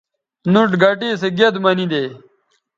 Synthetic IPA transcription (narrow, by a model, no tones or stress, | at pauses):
nuʈɡɐʈiːseɡed̪mɐnid̪eː